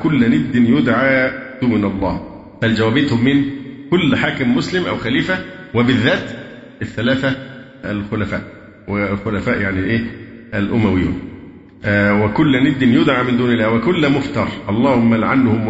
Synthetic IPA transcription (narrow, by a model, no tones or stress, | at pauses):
kʊlːnɪd̪ːɪnjʊd̪ʕaːd̪̥uːnɑlˤːɑː | fæld͡ʒæwæːbɪt̪hʊmːɪnkʊlːħaːkɪmːʊslɪmʔæ̰wxæliːfæwɪbɪðːæːt̪ | ɪθːælæːθæ | ʔælxʊlæfæ̰ːʔ | wɪlxʊlæfæːʔjaʕnilʔeːʔælʔʊmæwɪjːʊ̰m | wɪkʊlːnɪd̪ːɪnjʊd̪ʕaːmɪnd̪uːnɪlːæːwɪkʊlːmʊft̪ɑːɾˤʔɑlˤːɑːhʊmːælʕanːhʊm